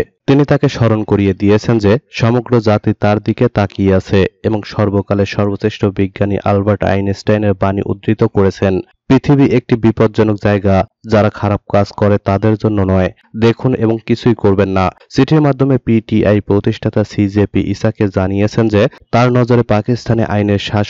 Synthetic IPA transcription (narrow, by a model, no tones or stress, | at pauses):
t̪init̪akeʃɔɾonkoɾijed̪ijet͡ɕʰend͡ʑeʃɔmoɡɾod͡ʑat̪it̪aɾd̪iket̪akiat͡ɕʰeeboŋʃɔɾbokaleʃɔɾbot͡ɕeʃʈobiɡːanḭʔa̰lbaɾʈa̰jnesʈajneɾbanḭʔṵd̪ɾit̪okoɾet͡ɕʰen | pɾit̪ʰibiʔek̚ʈibipod̪̚d͡ʑɔnok̚d͡ʑaeɡad͡ʑaɾakʰaɾab̚kad͡ʑkɔɾet̪ad̪eɾd͡ʑonːonɔe | d̪ekʰuneboŋkit͡ɕʰujkoɾbenːasiʈʰiɾmad̪ʱːomepiʈiʔajpɾot̪iʃʈʰat̪asid͡ʑepiʔisaked͡ʑanijet͡ɕʰend͡ʑet̪aɾnɔd͡ʑoɾepakist̪ʰanḛʔajneɾʃaʃ